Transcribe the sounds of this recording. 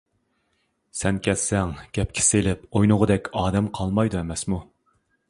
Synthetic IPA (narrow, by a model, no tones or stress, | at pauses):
sɛnkʲʰɛssɛŋɡ̥ʲɛp̚kʲʰi̥selɪpojnʊʁəd̪ɛkʲɑːd̪ɛmqʰɑlˠmɑjd̪uɛmɛsmu